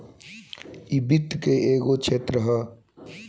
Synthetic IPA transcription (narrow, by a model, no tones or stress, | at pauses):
ibit̪keeːɡot͡ʃʰeːt̪ɾəɦə